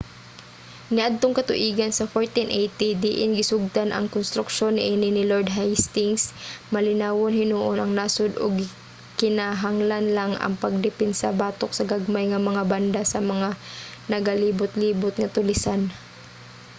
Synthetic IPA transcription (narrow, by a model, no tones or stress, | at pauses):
nɪʔad̪̚t̪oŋkɐt̪ʊ̰ʔiːɡɐnsɐfoɹt̪ɪnʔɛjt̪id̪ɪʔɪnɡɪsʊɡ̚t̪anʔɐ̰ŋkʊnst̪ɾʊk̚ʃo̞nːɪʔinɪnɪloɹd̪ɦajst̪ɪŋsmɐlɪnaːwonhɪnuʔonɐŋnaːsʊd̪o̰ɡ | kɪnaɦaŋlanlaŋɐ̰ŋpɐɡ̚d̪ɛpɛnsabaːt̪ok̚sɐɡaɡ̚majŋɐmɐŋaband̪asɐmɐŋanɐɡaliːbʊt̪liːbʊt̪̚ŋɐt̪ʊlɪsan